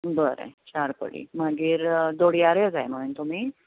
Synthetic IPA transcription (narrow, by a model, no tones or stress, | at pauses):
bəɾə̰t͡ɕaɾpə̰ɽḭːmaɡiːɾd̪oɽ̤iaɾjed͡zajm̤əɽunt̪um̤iː